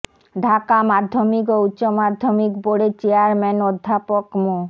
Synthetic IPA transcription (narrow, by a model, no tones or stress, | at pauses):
ɖʱakamad̪ʱːomik̬outːɕomad̪ʱːomikboɽet͡ɕeaɾmɛnod̪ʱːapokmo